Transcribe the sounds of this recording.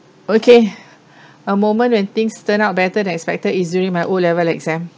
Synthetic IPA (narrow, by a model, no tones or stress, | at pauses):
okʰe | əmõmə̃ntwɛ̃nt̪ĩŋstə̃naʊt̚bɛtədɛ̃nɛkspɛk̚təisdjuɹĩŋmajʔolɛvəlɛkzɛ̃m